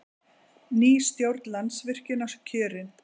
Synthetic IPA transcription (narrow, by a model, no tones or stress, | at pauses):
niːst̪jowɾt̪lansvɪr̥cɪnascʰʏːɾɪn